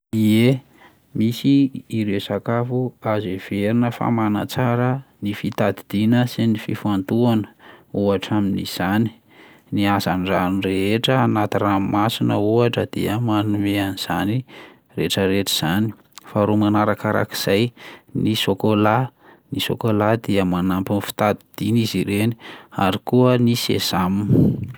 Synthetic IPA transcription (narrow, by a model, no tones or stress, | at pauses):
ie | misiːɾesakafuazev̥eɾinəfa̰mana̰t͡saɾənifit̪ad̪id̪̥inəsinififant̪uanə̥uaʈ͡ʂaminiz̥ani̥ | niazanɖ͡ʐanreɦeʈ͡ʂəanat̪iramasinə̰uaʈ͡ʂəd̪̥ḭəmanumeaniz̥ani | reʈ͡ʂəɾeʈ͡ʂəz̥ani̥ | faɾomanaɾakaɾa̰ki̥z̥ajnisokolanisokolad̪iəmanampinfi̥t̪ad̪id̪̥iniziɾeni̥aɾikuənisḛz̥amn